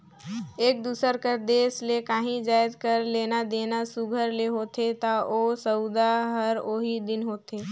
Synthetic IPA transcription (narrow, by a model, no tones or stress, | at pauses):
eːk̚d̪uːsəɾkəɾd̪eːslekaːɦĩd͡ʒaːjd̪kəɾleːnad̪eːnasuɡʱəɾleɦoːt̪et̪aoːsəʊd̪aɦəɾoːɦid̪ɪnɦoːt̪eː